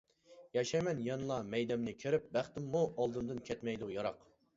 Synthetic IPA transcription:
jɑʃɛjmɛnjɑnlˠɑmɛjd̪ɛmnɪkʲʰeɾɪp̚bæχt̪ɪmːuʔɑlˠd̪ɨmd̪ɨnkʲʰɛt̪mɛjd̪ujɑɾɑq

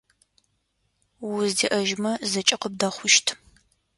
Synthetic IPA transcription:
wʊzdḭːʔɐʒmɐzɐt͡ʃʼɪqəb̚daχʷʊʃtʰ

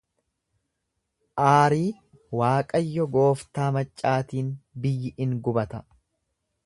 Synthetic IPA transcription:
ʔaːɾiː | waːkʼɐjːɔɡo̞ːft̪aːmɐt͡ʃʼːaːt̪iːnbɪjːɪʔɪŋɡʊbɐt̪ɐ

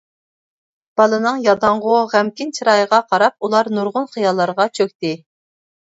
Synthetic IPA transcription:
b̥ɑlˠɨnɨŋjɑd̪ɑɴʁʊʁæmkʲint͡ʃʰiɾɑjəʁɑqʰɑɾɑp̚ulˠɑɾnuɾʁʊnχijɑlˠːɑɾʁɑt͡ʃʰøkʲt̪ɪ

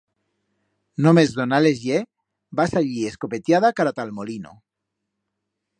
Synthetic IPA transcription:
nomezðonalezje | basaʎieskopet̪jaðakaɾat̪almolino̰

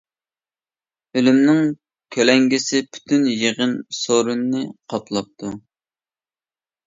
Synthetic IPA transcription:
ølymnɪŋ | kʲʰølɛŋɡʲɪsɪpʰy̥t̪ʰynjeʁənsoɾunːɨqʰɑpʰlˠɑp̚t̪ʰu

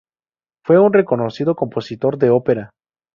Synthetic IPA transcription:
fwe̞unre̞ko̞no̞siðo̞ko̞mpo̞sit̪o̞ɾðe̞ope̞ɾa

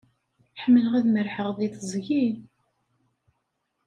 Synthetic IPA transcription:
ħəmːələʁæðməɾħəʁðˤiθəzˤʝil

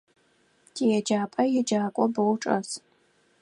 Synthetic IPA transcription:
tʰijɛd͡ʒaːpʼɐjɛd͡ʒaːkʷʼɔbowʈ͡ʂʼɐs

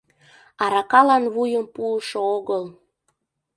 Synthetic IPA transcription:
ɑɾɑkɑlɑnβujəmpuəʃooɣəl

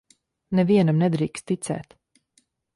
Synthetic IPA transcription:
nɛviɛnamnɛd̪ɾiːkst̪t̪it̪sɛ̰ːt̪

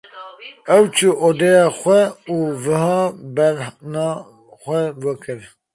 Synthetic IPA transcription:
ɛwt͡ʃʰuʔod̪ɛjɑxʷɛuːvɨhɑːbɛɾnɑ | xʷɛwɛkʰɨɾ

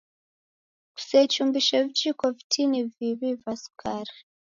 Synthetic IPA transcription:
ku̥sɛt͡ʃumbiʃavit͡ʃikɔvitʰiniviβivasu̥kʰaɾa

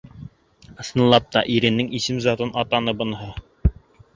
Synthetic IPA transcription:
ɤ̆snɤ̆lˠɑp̚t̪ɑʔiɾɘ̆nːɘŋisɘmzɑt̪ɤnɑt̪ɑnɤbɤ̆nɤɦɤ

